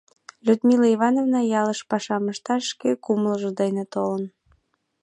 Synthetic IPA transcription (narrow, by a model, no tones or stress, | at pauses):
lʲud̪miləiβɑnovnɑjɑləʃpɑʃɑməʃt̪ɑʃːkekumləʒə̆d̪ejnet̪olən